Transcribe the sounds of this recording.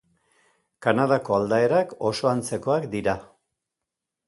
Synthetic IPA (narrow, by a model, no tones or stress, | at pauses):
kanað̞ako̞ald̪ae̞ɾako̞so̞ant͡se̞ko̞akd̪iɾa